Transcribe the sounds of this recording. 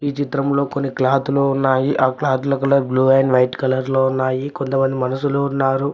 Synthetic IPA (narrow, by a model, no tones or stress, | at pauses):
iːt͡ʃit̪ɾɐmlo̞ːkonːiklaːɦɐt̪uloːunːaːjiʔaːklaːɐt̪̬ulɐkɐlɐbluːɐjnʋɐjʈkɐlɐɾloːunːaːjiko̞nt̪ɐmɐnd̪imɐnɐsuloːunːaːɾu